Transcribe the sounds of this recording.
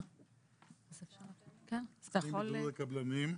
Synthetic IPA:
azefʃaʁlkenazt̪ajaχolekɐblanim

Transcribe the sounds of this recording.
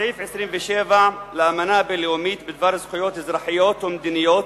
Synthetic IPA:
ajifʕɪsɾiːmveʃeːvaʕleʔamanabeljoːmiːt̪bɪd̪vaːɾˤzxʊjoːt̪hɪzɾˤɑħɪjoːt̪wɪmd̪inɪjoːt̪

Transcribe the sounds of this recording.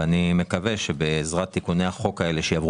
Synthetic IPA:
anime̞kaveʃebeːzʁat̪ːikuneaχo̞kae̞leʃejavʁ

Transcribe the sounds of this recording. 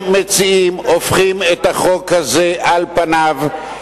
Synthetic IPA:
met͡siimofχimet̪aχo̞khaze̞ʔalpanav

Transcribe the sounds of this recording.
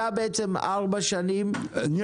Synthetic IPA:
abeet͡sema̰ʁbaʃanim | n

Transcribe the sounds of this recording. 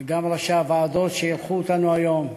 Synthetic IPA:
ɡamlaʃaːvaːd̪ot̪ʃejilχuot̪anuajo̞m

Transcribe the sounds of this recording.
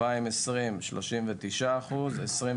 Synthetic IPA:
aimesʁimʃloʃimvet̪iʃaːχuzesʁi

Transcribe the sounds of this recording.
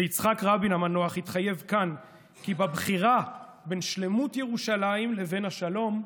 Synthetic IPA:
eit͡sχakʁabinamano̞aχhitχaje̞vkan | kibabχiʁa | be̞nʃle̞mutjeʁuʃalaimle̞ve̞naʃalo̞m

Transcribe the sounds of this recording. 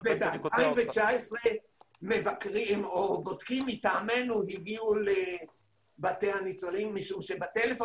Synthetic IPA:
vebeataimvet͡ʃaesʁe | me̞vakʁimobotkimit̪aːme̞nuhiɡiule | batehanit͡solimːiʃumʃebat̪elefo

